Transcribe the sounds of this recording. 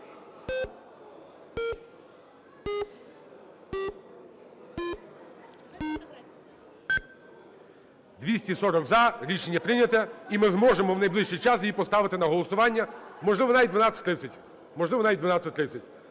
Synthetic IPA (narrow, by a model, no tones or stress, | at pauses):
d̪ʋʲisʲtʲisɔɾɔɡzɐɾʲiʃenʲːɐpɾɪnʲɐt̪ɛimɪzmɔʒemɔwnɐjblˠɪʃt͡ʃijt͡ʃɑsjipɔst̪ɑʋɪt̪ɪnɐɦɔlˠɔsʊʋɑnʲːɐmɔʒlɪʋɔnajd̪ʋɐnɑɪ̥t̪ʲɾɪsʲɐtʲ | mɔʒlˠɪʋɔnajd̪ʋɐnɑt͡sʲɐt̚ʲt̪ɾɪt͡sʲɐtʲ